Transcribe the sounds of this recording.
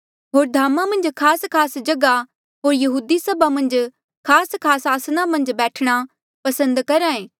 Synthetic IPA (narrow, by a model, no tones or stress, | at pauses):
ɦoːɾd̪ʱaːmãmɐ̃nd͡ʒkʰaːskʰaːsd͡ʒɐɡa | ɦoːɾjɐɦuːd̪isɐbʱamɐ̃nd͡ʒ | kʰaːskʰaːsaːsnamɐ̃nd͡ʒbɛːʈʰɽ̃a | pɐsə̃nd̪kɐɾãːẽː